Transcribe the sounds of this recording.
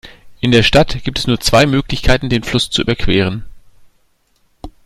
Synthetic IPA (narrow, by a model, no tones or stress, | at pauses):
ʔɪndeːɐʃtatɡ̥iːp̚tɛsnuːɐt͡sv̥aɪmøːklɪçkʰaɪtn̩deːnflʊst͡suʔy̰ːbɐkʰv̥eːʁ̞ən